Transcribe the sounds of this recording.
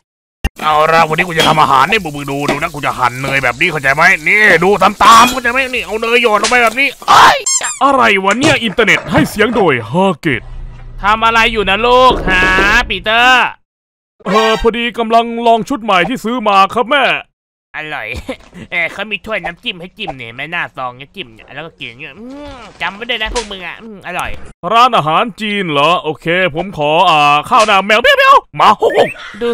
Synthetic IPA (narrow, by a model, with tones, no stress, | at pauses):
ʔa˧˩wɾa˧˩wa˧ni˦˥ku˧t͡ɕa˨t̪ʰa˧mʔa̰ː˧ɦa̰ː˩˦nːiː˧˥˩bɯ˧˩mɯ˧ŋduː˧duː˧na˦˥˩ku˧t͡ɕa̰˨˩ha̰˨˩˦nːɤː˧jbɛː˨˩p̚niː˦˥kʰa˧˩wt͡ɕa˧jma˦˥jniː˧˩duː˧t̪ʰa˧mt̪aː˧mkʰwt͡ɕa˧jma˦˥ja˧niː˧˩ʔa˧wnɤː˧jːɔː˨˩t̪lmpa˧jbɛː˨˩p̚niː˦˥˩hɤ˧˥˩jʔa˧ɾa˧jwa˧nːi˦˥˩ɐʔi˧nt̪aː˧ne˨˩t̪̚ha˥˩jsi˨˦əŋdoː˧˩jɦaː˧˩kḛ˨˩t̪̚t̪ʰa˧mʔa˧ɾa˧jːuː˨˩na˧˥˩loː˥˩k̚haː˧˦piː˧˩t̪ɤː˧˥˩ | ʔɤː˧˩pʰɔː˧diː˧ka˧mla˧ŋlɔː˧ŋt͡ɕʰu˦˥t̪̚ma˨˩jt̪ʰiː˥˩sɯː˦˥maː˧kʰɾa˦˥p̬̚mɛː˥˩ | ʔa˧ɾɔ̰˨˩jʔeː˧˩kʰa˦˥˩wmiː˧t̪ʰu˥˩əjna˦˥mki˧˩mha˥˩jki˧˩mni˧˩ma˥˩jnaː˥˩sɔː˧ŋa˧˥˩ki˧˩mɲa̰˧˩lɛː˧˦˥wkɔ˧˥˩ki˨˩ŋɲ˧˩ʔɯː˧t͡ɕa˧mːa˧˩˦da˥˩jnaː˦˥˩pʰuː˧˥˩ŋmɯ˧ŋʔa̰˨˩ʔɯː˧˩ʔa˧ɾɔ̰˨˩jɾaː˧˥˩nʔaː˧ɦaː˨˩˦nt͡ɕiː˧nlɔ˦˥ʔoː˧kʰeː˧pʰo˩˦mkʰɔː˩˦ʔaː˨˩kʰaː˥˩wnaː˧˨mɛː˧˦˨wpi˥˨˦pi˧˥˨ʔa˧˩wmaː˧ho˧˥˩o˧˩ŋduː˧